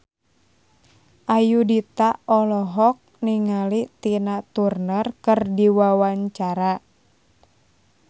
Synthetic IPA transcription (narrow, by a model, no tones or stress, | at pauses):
ʔajudit̪aɔlɔɦɔk̚niŋalit̪inat̪urnərkɨrdiwawaɲt͡ʃaɾa